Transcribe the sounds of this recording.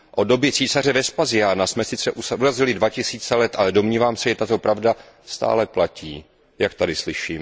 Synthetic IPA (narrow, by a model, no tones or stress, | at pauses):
ʔo̞do̞bjɪt͡siːsar̝ɛvɛspazɪjanasmɛsɪt͡sɛʔusʔuɾazɪlɪdvacɪsiːt͡sɛlɛt̪ʔalɛdo̞mɲiːvaːmsɛʒɛt̪at̪o̞pɾavda | st̪a̰ːlɛplaciː | jak̚t̪adɪslɪʃiːm